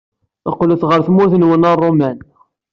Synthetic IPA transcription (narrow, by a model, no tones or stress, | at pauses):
ɑ̰qlæθʁəɾθmuθənwənərˤːomæn